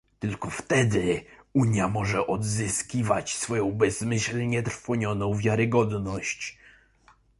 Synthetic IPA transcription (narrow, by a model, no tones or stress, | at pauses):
t̪ɘlkɔft̪ɛd̪ɘuɲjamɔʐɛʔɔd̪zɘskʲivat͡ɕsfɔjɔ̃w̃bɛz̥mɘɕlɲɛt̪ɾfɔɲɔnɔ̃w̃vʲjaɾɘɡɔd̪nɔɕt͡ɕ